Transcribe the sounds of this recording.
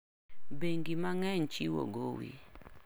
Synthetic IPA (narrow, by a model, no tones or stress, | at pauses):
beŋɡimaŋɛɲt͡ʃiwo̰ɡowḭ